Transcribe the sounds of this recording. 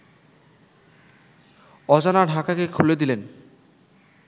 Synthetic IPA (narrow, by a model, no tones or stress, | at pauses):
ɔd͡ʑanaɖʱakakekʰuled̪ilen